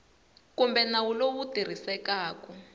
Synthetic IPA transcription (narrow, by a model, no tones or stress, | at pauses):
kumbɛnawuloβutir̤isɛkaːkɔ